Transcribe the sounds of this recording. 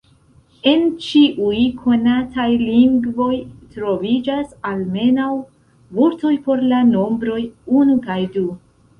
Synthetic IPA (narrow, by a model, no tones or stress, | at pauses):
e̞nt͡ʃiʔujkʰo̞natajliŋɡvo̞jtɾo̞vid͡ʒasalme̞naw | voɾto̞jpo̞ɾlano̞mbɾo̞junukajdu